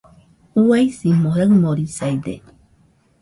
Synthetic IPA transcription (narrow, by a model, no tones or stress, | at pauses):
uajsimoɦemoɾisajd̪ḛ